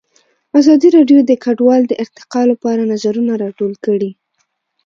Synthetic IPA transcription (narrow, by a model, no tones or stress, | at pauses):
azɑd̪iɾɑɖjod̪əkaɖwɑld̪əʔɪɾt̪ɪ̥qɑlapɑɾanazaɾunaɾɑʈolkəɽi